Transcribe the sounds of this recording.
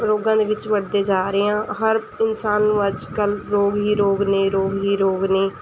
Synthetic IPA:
ɾoːɡãːd̪eːʋɪt͡ʃʋəɽd̪eːd͡ʒaːɾeːãːɦəɾ | ɪnsaːnʋəd͡ʒkəlɾoːɡɦiːɾoːɡnẽːɾoːɡɦiːɾoːɡneː

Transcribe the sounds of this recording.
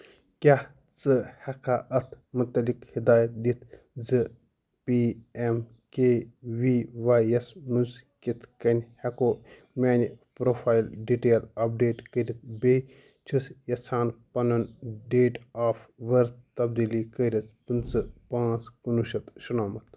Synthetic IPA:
kʲah | t͡sɨhɐkʰaːʔɐt̪ʰ | mut̪ɐlikhid̪aːjɐt̪̚d̪it̪ʰ | zɨ | piem | keːʋiːʋaːɐsmunskit̪ʰkɐnʲhɐkoː | mʲeːnipɾoːfʰaːilɖiʈeːlɐp̚ɖeːʈkəɾʲit̪̚ʰbeː | t͡ʃʰisjɐt͡sʰaːnpɐnɐnɖeːʈaːfʋɐɾt̪t̪ɐbd̪iːliːkəɾʲit͡spɨnt͡sɨpãːt͡skunuʃɐt̪ʃɐnaːmɐt̪̚ʰ

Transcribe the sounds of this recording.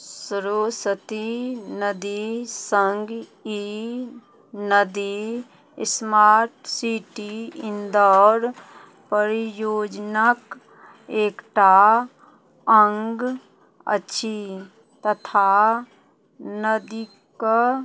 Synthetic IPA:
sɾoːsət̪inəd̪isəŋɡi | nəd̪i | smaːɾʈsiːʈiɪ̃nd̪ɔːɾ | pəɾijoːd͡ʒnək | eːkʈa | əŋɡ | ə̰ːʃʰi | t̪ət̪ʰa | nəd̪i | k

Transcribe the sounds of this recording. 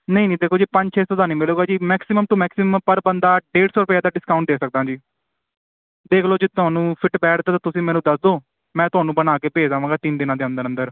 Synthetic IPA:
nəĩːnĩːd̪eːkʰoːd͡ʒiːpə̃ɲd͡ʒt͡ʃʰeːsod̪aːnĩːmɪloːɡaːd͡ʒiːmɛːksɪməmt̪õːmɛːksɪmmpəɾbənd̪aːɖeːʈsɔːɾʊpːaːd̪aːɖɪskaːʊ̃ɳʈ̚d̪eːksək̚d̪ãːd͡ʒiː | d̪eːkʰloːd͡ʒɪt̪ʊaːnũːpʰɪʈbɛːʈʰt̪aːt̪ãːt̪ʊsĩːmɛːnũːd̪əsd̪oː | mɛ̃ːt̪ʊɦaːnũːbənaːkeːpeːd͡ʒaːʋãːŋɡaːt̪ɪnd̪ɪnãːd̪eːənd̪əɾə̃nd̪əɾ

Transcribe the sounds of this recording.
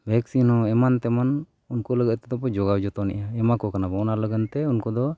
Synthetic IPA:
bʱɛksinhɔɛmant̪ɛman | unkɔləɡət̪ɛd̪ɔpɔd͡ʒɔɡawd͡ʒɔt̪ɔnɛ̰ʔaɛmakɔkanabɔɔnaləɡənt̪ɛunkɔd̪ɔ

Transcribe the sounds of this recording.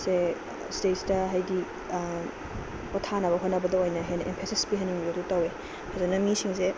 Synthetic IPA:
se | stetstɐɦɐjdi | pɔtʰanɐβɐɦonɐbɐdɐojnɐɦenʔempʰesispiɦɐniŋbiɾotutɐwe | kʰazɐnɐmisiŋse

